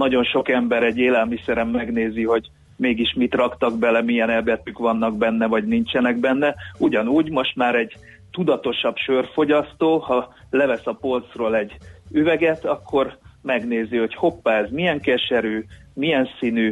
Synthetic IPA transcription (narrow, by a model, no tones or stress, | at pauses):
nɒɟo̞nʃo̞kɛmbɛɾɛɟːeːlɛlmisɛɾɛmːɛɡn̪eːziɦo̞ɟ | meːɡiʃmit̪rɒkt̪ɒɡbɛlɛmijɛnɛbɛt̪ykʋɒnːɒɡbɛnːɛvɒɟnint͡ʃɛnɛɡbɛnːɛuɟɒnuːɟmo̞ʃt̪maːɾɛɟ | t̪ud̪ɒt̪o̞ʃɒbʃørfo̞ɟɒst̪oːhɒ | lɛvɛsɒpo̞lt̪sroːlɛɟːyvɛɡɛt̪ɒkʰːo̞rmɛɡneːziho̞cho̞pːaːɛzmiɛŋkɛʃɛɾyːmijɛnsiny